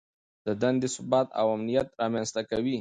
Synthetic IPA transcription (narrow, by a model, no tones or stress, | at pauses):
d̪̥əd̪and̪esʊbɑt̪a̰wamnijat̪̚ɾɑmjanst̪akawi